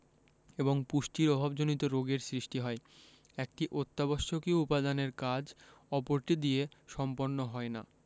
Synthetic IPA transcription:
eboŋpuʃʈiɾɔbʱabd͡ʑonit̪oɾoɡeɾsɾiʃʈiɦɔe | ɛk̚ʈiʔot̪ːabɔʃːokiupad̪aneɾkad͡ʑ | ɔpoɾʈid̪ieʃɔmponːoɦɔena̰

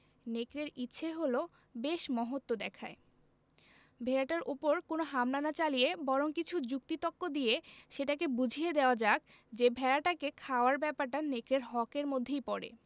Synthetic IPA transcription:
nekɾeɾitːɕʰeɦolo | beʃmɔɦot̪ːod̪ɛkʰa̰e | bʱeɾaʈaɾʔupoɾkonoɦamlanat͡ɕalijebɔɾoŋkit͡ɕʰud͡ʑuk̚t̪it̪okːod̪ieʃeʈakebud͡ʑʱied̪eoad͡ʑak̚ | d͡ʑebʱɛɾaʈakekʰaoaɾbɛpaɾʈanekɾeɾɦɔkeɾmod̪ʱːejpɔɾḛ

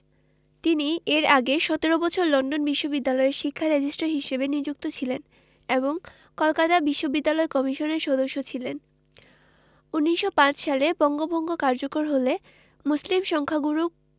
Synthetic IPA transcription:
t̪inieɾaɡeʃɔt̪eɾobɔt͡ɕʰoɾlɔnɖonbiʃːobid̪ːalɔeɾʃikʰːaɾed͡ʑisʈaɾɦiʃebenid͡ʑuk̚t̪ot͡ɕʰilen | eboŋ | kɔlkat̪abiʃːobid̪ːalɔekɔmiʃoneɾʃɔd̪oʃːot͡ɕʰilen | unːiʃːopãt͡ɕʃalebɔŋɡobʱɔŋɡokaɾd͡ʑokoɾɦole | muslimʃɔŋkʰaɡuɾu

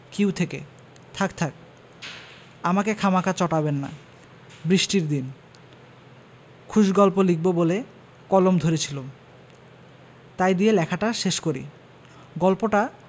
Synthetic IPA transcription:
kiwt̪ʰekḛ | t̪ʰakt̪ʰak̚ | amakekʰamakat͡ɕɔʈabenːa̰ | bɾiʃʈiɾd̪in | kʰuʃɡɔlpolik̚bobole | kɔlomd̪ʱoɾet͡ɕʰilo | t̪ajd̪ielɛkʰaʈaʃeʃkoɾḭ | ɡɔlpoʈa

